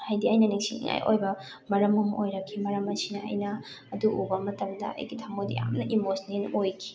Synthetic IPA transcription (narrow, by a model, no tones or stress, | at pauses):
hajdiɐjnɐniŋsiŋḭŋa̰jʔo̰jbɐ | mɐɾɐmɐmʔojɾɐkʰimɐɾɐmɐsinɐɐ̰jnɐː | duʔubɐmɐtɐmdɐ̰ɐ̰jɡitʰɐmodḭja̰mnɐʔimosnenojkʰi̥